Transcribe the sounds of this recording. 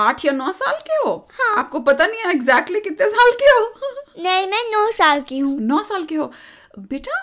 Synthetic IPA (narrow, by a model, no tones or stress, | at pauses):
aːʈʰjanɔːsaːlkeɦoːhãːaːp̚kopɐt̪anĩɛɪɡzɛːk̚ʈlikɪt̪ːesaːlkeɦonɐɦĩmɛ̃nɔːsaːlkiɦũːnɔːsaːlkeɦo | beːʈa